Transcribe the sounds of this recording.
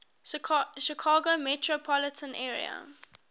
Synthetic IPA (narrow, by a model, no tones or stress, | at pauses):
ʃikʰɑːɡomɛtɹopʰɔlɪtʰə̃nɛːɹḭə̰